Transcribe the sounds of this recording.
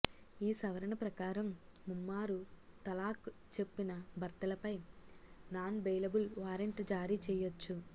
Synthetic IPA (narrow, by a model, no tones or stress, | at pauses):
iːsɐʋɐɾɐɳɐpɾɐkaːɾɐmːumːaːɾut̪ɐlaːkt͡ʃe̞pːinɐbʱɐɾt̪ɐlɐpɐj | naːnbejlɐbulʋaːɾeɳʈd͡ʒaːɾiːt͡ʃɛːjot͡ʃːu